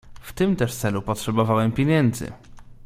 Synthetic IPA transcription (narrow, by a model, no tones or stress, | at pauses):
ft̪ɘmt̪ɛʂt̪sɛlupɔtʂɛbɔvawɛmpʲjeɲɛnd̪zɘ̰